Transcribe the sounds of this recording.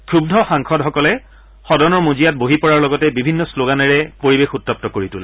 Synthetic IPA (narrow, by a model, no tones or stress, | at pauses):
kɹubdʱɔxãŋkʰɔdɦɔkɔlɛ | xɔdɔnɔɹmuzijat̚boɦipɔɹaɹlɔɡɔtɛbibʱinːɔsloɡanɛɹɛpoɹibexutɹɔp̚tɔkoɹitulɛ